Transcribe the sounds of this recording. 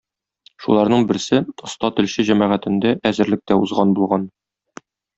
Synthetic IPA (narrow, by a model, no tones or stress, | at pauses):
ʃulˠɑɾnɤɴbɘ̆ɾsɘŏst̪ɑt̪ɘ̆lɕɘʑæmæʁæt̪ɘ̆nd̪æʔæzɘ̆ɾlɘ̆k̚t̪æuzʁɑnbulˠʁɑn